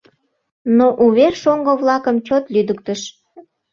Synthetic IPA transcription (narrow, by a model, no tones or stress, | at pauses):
noʔuβerʃoŋɡəβlɑkəmt͡ɕot̪lyd̪ək̚t̪əʃ